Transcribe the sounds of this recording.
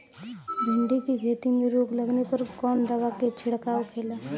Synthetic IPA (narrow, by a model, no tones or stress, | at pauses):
bʱɪɳɖikiɡʱet̪imeɾoːɡləɡnepəɾkɔːnd̪əʋaket͡ʃʰɪɽkaːokʰeːla